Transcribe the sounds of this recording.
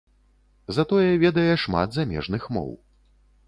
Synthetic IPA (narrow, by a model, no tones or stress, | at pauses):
zat̪ɔjɛvʲɛd̪ɐjɛʂma̰d̪zamʲɛ̰ʐnɨxmɔ̰w